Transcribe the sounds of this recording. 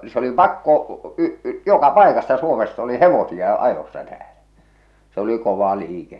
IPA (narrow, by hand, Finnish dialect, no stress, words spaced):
se oli pɑkːo y jokɑ pɑˑekɑstɑ suomest oli heʋosiɑ ɑjosːɑ tæːlæ se oli koʋɑ liːkes